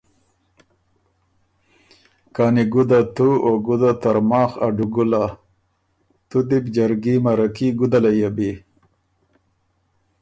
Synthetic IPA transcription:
kɑːniɡud̪at̪uoɡud̪at̪aɾmɑːxa̰ɖuɡula | t̪ud̪ibd͡ʒaɾɡimaɾakiɡud̪alajabi

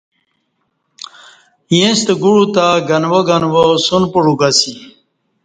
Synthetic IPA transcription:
jẽst̪əɡuɻut̪aɡɐnwoɡanwosunpuɾuɡasi

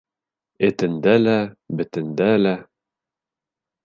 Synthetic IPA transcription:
ɘ̆t̪ɘ̆nd̪ælæbɘ̆t̪ɘ̆nd̪ælæ

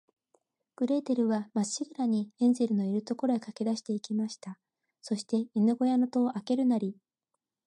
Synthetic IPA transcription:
ɡ̥ɯ̟ɾe̞ːt̪e̞ɾɯ̟βamaiɡɯ̟ɾaɲ̟iẽ̞nze̞ɾɯ̟no̞iɾɯ̟t̪o̞ko̞ɾo̞ekake̞d̪aɕi̥t̪e̞ikʲimaɕi̥t̪a | so̞ɕi̥t̪e̞inɯɡo̞jano̞t̪o̞ːʔake̞ɾɯ̟naɾʲi

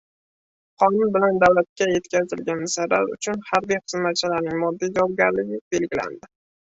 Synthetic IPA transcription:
qɒnʊnbɪland̪awlat̪̚kʲaje̞t̪kʲʰazɪlɡʲanmɪsaɾa̰ɾʊ̰t͡ʃʰʊnhaɾbijqɨzmat̪̚t͡ʃʰɪlaɾnɪŋmɒd̪ːijd͡ʒawɒb̚ɡʲaɾlɪɡʲɪb̥e̞lɡʲɪla̰nd̪ɪ

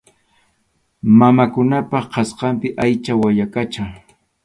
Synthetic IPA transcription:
mamakʊnapɑχqɑsqɑmpɪʔajt͡ʃawajakat͡ʃaŋ

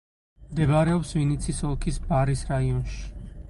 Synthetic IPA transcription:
md̪ɛbaɾɛɔpsvinit̪sʰisɔlˠkʰisbaɾisɾaiɔnʃi̥

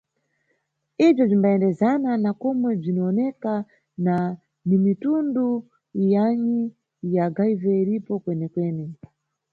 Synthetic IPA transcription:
ib͡ʐɔb͡ʐimbaɛndɛzananakɔmwɛb͡ʐinɔːnɛka | na | nimitundu | jaɲi | jaɡaivɛiɾipɔkwɛnɛkwɛːnɛ

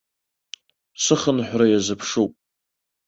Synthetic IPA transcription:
sɨχənħʷᶣrajazɨpʰʂupʼ

